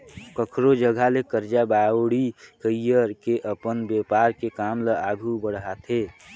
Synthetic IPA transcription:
kəkʰɾod͡ʒəɡʱalekəɾd͡ʒabaɽikəijəɾkeʔəpənbepaɾkekaːmləaɡʱubəɽɦat̪ʰe

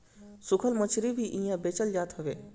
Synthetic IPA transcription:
sʊkʰəlmət͡ʃʰɾibʱiʔĩjãbeːt͡ʃəld͡ʒaːt̪ɦoʋeː

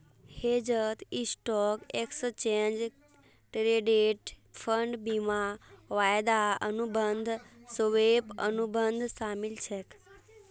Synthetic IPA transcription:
hed͡ʒət̪isʈɔkekst͡ʃend͡ʒ | ʈɾeɖeʈ | fʰəɳɖbimaʋajd̪aənubənd̪ʱsoʋepə̰nubənd̪ʱsamilt͡ʃʰek

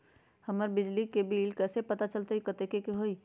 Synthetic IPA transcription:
həməɾbɪd͡ʒlikebiːlkɛːsepət̪at͡ʃəlt̪eikət̪ekekeɦoːi

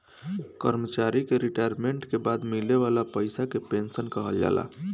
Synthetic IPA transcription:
kəɾmət͡ʃaɾikeɾiʈajɾmeɳʈkebad̪mileβalapəɪsakepensənkəɦəld͡ʒa̰la̰

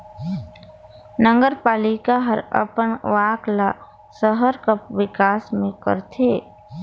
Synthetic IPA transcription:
nə̃ŋɡəɾpaːlɪkaɦəɾə̰pəɳʋaːkla | səɦəɾkəpʋɪkaːsmẽkə̰ɾt̪ʰeː

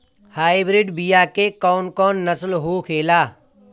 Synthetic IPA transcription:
haːɪbɾɪɖbijakekɔːnkɔːnːəslɦokʰeːlaː

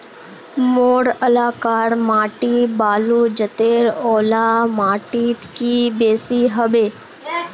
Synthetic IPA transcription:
moːɽəlaːkaːɾmaːʈibaːluːd͡ʒət̪eːɾɔːlaːmaːʈiːt̪kibeːsiɦəbeː

